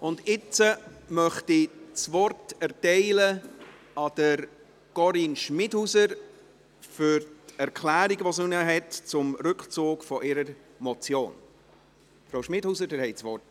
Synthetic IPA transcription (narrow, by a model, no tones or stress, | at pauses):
ʔʊndɪt͡səmœχtit͡sʋɔrtɛɾtɛɪlə | ɑd̥əɾ | ɡ̥ɔɾinʃmɪdhusəɾ | fʏɾtɛɾkʰlæːɾiɡəʋosnunəɦɛtt͡sʊmɾʏkχt͡suːkfɔʔɪɾəɾ | mɔt͡sjoːn | fɾaʊʃmɪdhusədɪɾhɛɪt͡sʋɔrt